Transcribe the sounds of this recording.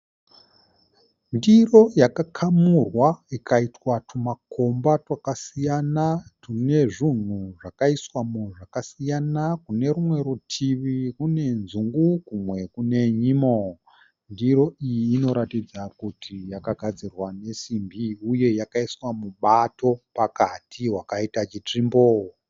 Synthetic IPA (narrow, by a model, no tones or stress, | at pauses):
ndiro̞jakakʰamurwaikaitwatumakʰo̞mbatwakasijanatune̞ʐin̤uʐakaiswamuʐakasijanakune̞ɾumwe̞ɾutʰiʋikune̞nzuŋɡukumwe̞kune̞ɲimo | ndiɾo̞ʔijiːno̞ɾatid͡zakutʰijakaɡʱad͡zirwane̞simbiuje̞jakaiswamuɓato̞pakatʰiwakaitat͡ʃit͡ʂimboːwo